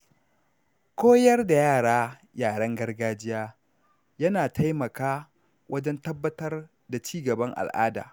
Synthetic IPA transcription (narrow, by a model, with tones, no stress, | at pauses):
kʷoː˦jɐ˦rda˨jaː˦˨ɽaː˦ | jaː˨ɽɐ˦ŋɡɐ˦rɡaː˦d͡ʒɪ˦jaː˦ | jɐ˦naː˨tʰa˦jmɐ˨kaː˦ | wʔɐ˦d͡ʒɛ˦ntɐ˦bːɐ˦tɐ˦r | da˨t͡ʃiː˦ɡɐ˨bɐ˦ŋʔa̰˨lʔa̰ː˦da̰ː˨